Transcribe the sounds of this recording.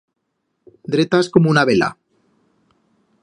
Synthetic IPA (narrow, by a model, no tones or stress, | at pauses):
d̪ɾe̞t̪askomounaβela̰